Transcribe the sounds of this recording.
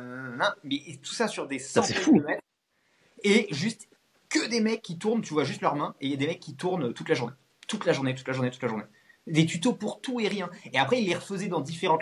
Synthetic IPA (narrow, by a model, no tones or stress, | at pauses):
nɔ̃mɛt̪u̥sasyʁd̪esɑ̃sɛfumɛt̪χ | eʒyst̪ | kəd̪emɛkʲːit̪uʁnt̪yvwaʒyst̪lœʁmɛ̃eiljad̪emɛkʲːit̪uʁnøt̪ut̪laʒuʁne | t̪ut̪laʒuʁnet̪̬ut̪laʒuʁnet̪ut̪laʒuʁne | d̪et̪yt̪opuʁt̪ueʁjɛ̃eapχɛilːeʁəfəzɛd̪ɑ̃d̪ifeʁɑ̃